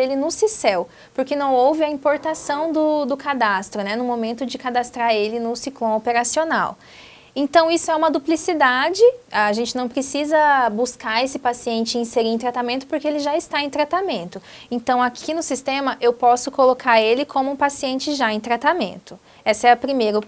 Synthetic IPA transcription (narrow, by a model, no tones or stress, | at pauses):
elɪnʊsisɛw | poɾkenɐ̃w̃owvɪɐĩpoɾt̪asɐ̃w̃d̪ʊd̪ʊkad̪ast̪ɾʊnɛnʊ̃momẽnt̪ʊd͡ʒɪkad̪ast̪ɾaɾelɪnʊsiklõopeɾasiona̰w | ẽnt̪ɐ̃w̃isʊɛũmɐd̪uplisid̪ad͡ʒɪaaʒẽnt͡ʃɪnɐ̃w̃pɾesizɐbuskaɾesɪpasiẽnt͡ʃɪĩseɾiẽt̪ɾat̪amẽnt̪ʊ̥poɾkeelɪʒaɪst̪aẽt̪ɾat̪amẽnt̪ʊ | ẽt̪ɐ̃w̃akʰinʊsist̪ẽmɐʔewpɔsʊkolokʰaɾelɪkʰõmʊũpasiẽnt͡ʃɪʒaẽj̃t̪ɾat̪amḛ̃nt̪ʊ | ɛsɐɛɐpɾimejɾʊ